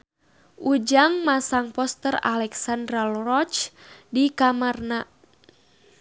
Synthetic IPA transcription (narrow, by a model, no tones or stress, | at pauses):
ʔud͡ʒaŋmasaŋpɔst̪əra̰lɛksandɾalrɔt͡ʃdikamarna